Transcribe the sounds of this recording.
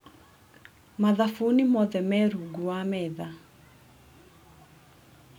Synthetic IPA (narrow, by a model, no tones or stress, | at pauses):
maðafunimɔðɛmɛɾuɡuwamɛða